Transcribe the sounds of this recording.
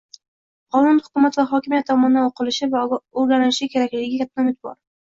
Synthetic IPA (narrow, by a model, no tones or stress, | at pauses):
qʰɒnʊnhʊ̥kʊmat̪vaχɒkʲɪmijat̪ʰːɒmɒnɪd̪anoqʰɨlɪʃɪvaoɾɡʲanɪlɪʃɪkʲʰe̞ɾakʲlɪɡʲɪɪkʲʰat̪̚ːamɪt̪̚bɒ̰ɾ